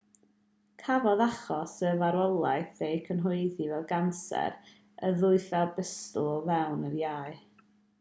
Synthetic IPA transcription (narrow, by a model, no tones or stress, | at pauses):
kʰavɔðaχɔsəvaɾɔlˠajθejkʰənɦʊɨðivɛlˠɡansɛ̰ɾ | əðʊɨθɛlbəstʊlˠvɛwnərjaɨ